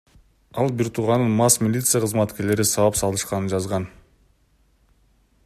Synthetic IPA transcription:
ɑlˠbiɾt̪ʰuːʁɑnɯnmɑsmʲilʲit̪sɨjaqʰɯzmɑt̪ke̞ɾle̞ɾisɑβɑpsɑlˠɯʃqɑnɯnd͡ʒɑzʁɑn

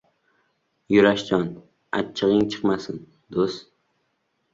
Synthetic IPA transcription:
jʊɾaʃt͡ʃɒn | a̰t͡ʃʰːɨʁɪŋt͡ʃʰɨ̥qmasɪn | d̪ost̪

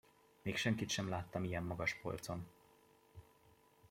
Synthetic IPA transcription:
meːkʃɛŋkit̪ʃɛmlaːt̪ːɒmijɛmːɒɡɒʃpo̞̰lt̪so̞n

